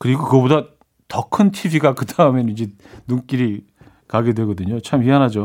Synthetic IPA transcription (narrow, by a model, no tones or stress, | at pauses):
kɯɾiɡokɯboda | tʌkʰɯntʰibiɡakɯdaɯmenid͡ʑe̞ | nuŋk͈iɾi | kaɡe̞dwe̞ɡʌdɯɲot͡ɕʰamɥiɦanɦad͡ʑo